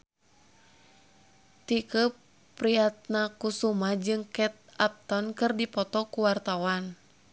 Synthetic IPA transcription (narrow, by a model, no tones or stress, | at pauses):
t̪ikə | pɾiat̪̚nakusumahd͡ʒɨŋkɛt̪̚ap̚t̪ɔnkɨrdipɔt̪ɔkuwart̪awan